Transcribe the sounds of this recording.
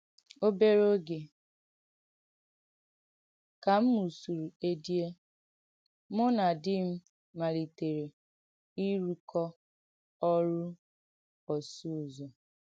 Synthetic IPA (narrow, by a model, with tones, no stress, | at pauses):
o˦be˦ɾo˦ɡe˨ | ka˨m̩˦mu˨su˨ɾu˨e˦di˦e˦ | mʊ˦na˨dɪ˦m̩˦ | ma˨ɾi˨te˨ɾe˨ | i˦ɾu˦kʰɔ˦ | ɔ˦ɾu˦ | ɔ˨su˦˨zo˨